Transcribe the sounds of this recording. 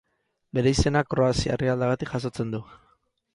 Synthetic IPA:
be̞ɾe̞ise̞nakɾo̞asia̰riald̪aɣat̪ikʝas̬o̞t͡se̞nd̪u

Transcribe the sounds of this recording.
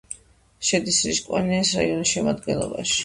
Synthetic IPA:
ʃɛd̪isɾḭʃkʼwaniɛsɾaiɔnisʃɛmad̪ɡɛnlˠɔ̰baʃi̥

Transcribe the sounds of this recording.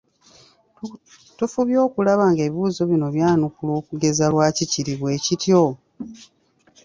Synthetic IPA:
tufuβjo̞ːkulaβaːŋɡe̞ːβiβuːzoβino̞βjaːnukulo̞ːkuɡe̞zalwaːciciɾiβwe̞ːcitjo

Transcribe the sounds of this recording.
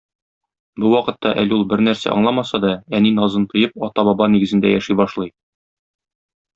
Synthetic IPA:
buwɒqɤ̆t̪ːɑʔæ̰lulˠbɘɾnæɾsæ̰ʔɒ̰ɴlˠɑmɑsɑd̪ɒæninɒzɤnt̪ɤ̆jɤp̚ɒt̪ɑbɒbɑniɡɘ̆zɘ̆nd̪æjæʃibɒʃlˠɤj

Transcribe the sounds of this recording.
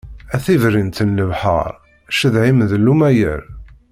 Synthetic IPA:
æθivɾint̪ənːəvħə̰ɾˤ | ʃəðʕimðlːumæjə̰ɾ

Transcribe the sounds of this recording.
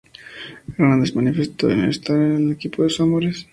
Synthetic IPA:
ɾand̪ezmanifest̪oḛnḛst̪aelekipoðesamoɾes

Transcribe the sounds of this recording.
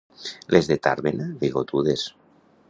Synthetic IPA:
lʔezðet̪a̰ɾβenaðiɣot̪uðes

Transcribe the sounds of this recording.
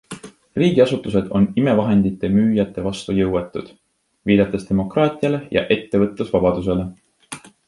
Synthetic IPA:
riːɡ̥iɑsut̪ːˑus̬e̞d̪̥o̞̰nime̞vɑɦe̞nd̪̥it̪ːˑe̞myːjɑt̪ːˑe̞vɑst̪ujɤwet̪ːˑud̪̥ | viːd̪̥ɑt̪ːˑest̪e̞mo̞krɑːt̪ʲˑiɑle̞jɑ̰ʔe̞t̪ːe̞vɤ̞t̪ːˑesvɑb̥ɑd̪̥us̬e̞le̞

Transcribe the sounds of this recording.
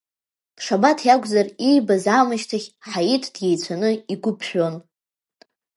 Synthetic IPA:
pʰʂabatʰjakʷʼzarijbazaːmɨʃtʰaχʲħajitʰd̥je̞jt͡sʷʰanɨiɡʷʊpʰʃʷᶣo̞n

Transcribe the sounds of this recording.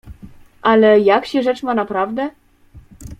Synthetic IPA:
ʔalɛjakɕɛʐɛt͡ʂmanapɾavd̪ɛ

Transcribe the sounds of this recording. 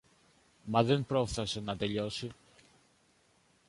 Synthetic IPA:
mɐðe̞npɾo̞fθɐse̞nɐt̪e̞ʎo̞si

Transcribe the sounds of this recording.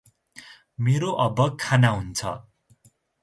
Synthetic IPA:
meɾoʔʌbʌkʰːanaɦunt͡sʰʌ̰

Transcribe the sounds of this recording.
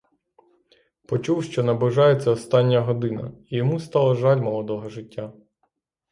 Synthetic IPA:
pɔt͡ʃuwʃt͡ʃɔnɐbɪʒɑjet͡sʲːɐɔst̪ɑnʲːɐɦɔd̪ɪnɐ̰ijɔmust̪ɑlˠɐʒɑlʲmɔlˠɔd̪ɔɦɔʒɪtʲːa

